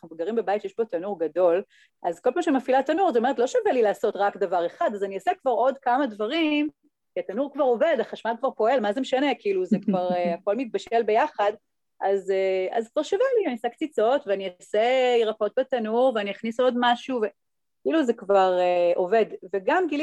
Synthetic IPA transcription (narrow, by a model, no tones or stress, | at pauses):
naχnumɡaʁimbebajit̪jɛʃbo̞t̪anuʁɡado̞l | ʔazkolpamaʃemafilat̪anuʁazotome̞et̪lo̞ʃavelilaːso̞tʁakdavaʁe̞χad̪azaniosekvaʁo̞dkamadvaʁim | kiatanuʁkvaʁo̞ve̞daχaʃmalkvaʁpo̞e̞lmazemeʃanekiiluzekvaʁeako̞lmit̪̚baʃelbe̞jaχad | ʔazea̰zkvaʁʃavelianisekt͡sit͡so̞tveanioseiʁako̞t̚betanuʁveaniaχniso̞dmaʃuve | kiiluzekvaʁeʔo̞ve̞dveɡamɡili